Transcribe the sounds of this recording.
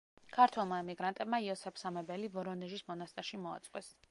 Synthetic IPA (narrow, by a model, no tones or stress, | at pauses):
kʰaɾt̪ʰwɛlˠmaɛmiɡɾant̪ʼɛbmaiɔsɛpʰsamɛbɛlivɔɾɔnɛʒismɔnast̪ʼɛɾʃimɔa̰t̪sʼqʼwɛs